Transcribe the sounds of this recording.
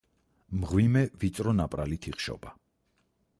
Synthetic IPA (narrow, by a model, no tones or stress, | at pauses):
mʁwimɛvit̪sʼɾɔnapʼɾalit̪ʰiχʃɔ̰ba